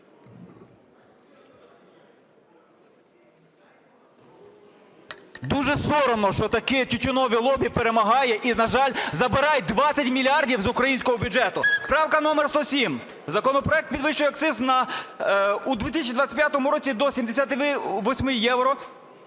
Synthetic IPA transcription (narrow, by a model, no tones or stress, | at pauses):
d̪uʒɛsɔɾɔnɔʃt͡ʃɔt̪ɐkɪtʲʊtʲʊnɔʋʲilˠɔbʲipeɾemɐɦɑjɛʔinɐʒɑlʲzɐbɪɾɑjd̪ʋɑt͡sʲːɐtʲmʲilʲɑrdʲiwzʊkɾɐjinʲsʲkɔɦɔbʲʊd͡ʒɛt̪ʊpɾɑwkɐnɔmɛrst̪ɔsʲim | zɐkɔnɔpɾɔɛk̚t̪pʲid̪ʋɪʃt͡ʃʊjɛɐk̪̚sɪznɐ | ud̪ʋʲit̪isʲt͡ʃid̪ʋatt͡sʲɐ̥ɛpʲjat̪ɔmʊɾɔt͡sʲid̪ɔsʲimd̪esʲat̪ɪʋɔsʲmɪjɛwɾɔ